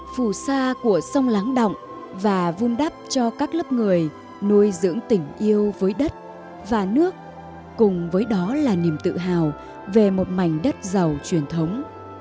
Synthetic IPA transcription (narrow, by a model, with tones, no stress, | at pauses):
fu˧˩saː˧ku˧˩əsa˧wŋ͡mla˨˦ŋɗɔ̰˧˨wŋ͡m | vaː˨˩vu˧nɗa˦˥p̚t͡ɕɔ˧kaː˦˥k̚lə˦˥p̚ŋɨ˨˩əj | nu˧jzɨ̰˧˥əŋt̪ï˨˩ŋ̟ʔi˧əwvəː˨˦jɗə˦˥t̚ | vaː˨˩nɨ˦˥ək̚ː | ʊ˨˩ŋ͡mvəː˨˦jɗɔ˨˦laː˨˩ni˨˩əmt̪ɨ̰˧˨ɦaː˨˩w | ve˨˩mo˨˩t̚ma˨˩jŋ̟ɗə˦˥t̚za˨˩wt͡ɕwi˧˩ənt̪ʰə˨˦wŋ͡m